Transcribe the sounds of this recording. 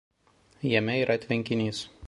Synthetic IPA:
jɛmʲɛiːɾʔɐt̪ʲʋʲɪŋʲkʲɪnʲiːs

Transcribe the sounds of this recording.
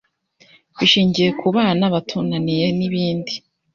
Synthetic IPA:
βiʃiːɲɟije̞kʰuβaːnaβatʰunanije̞niβiːndi

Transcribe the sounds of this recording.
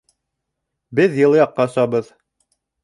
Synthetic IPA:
bɘðjɤ̆lˠɤjɑqːɑsɑbɤð

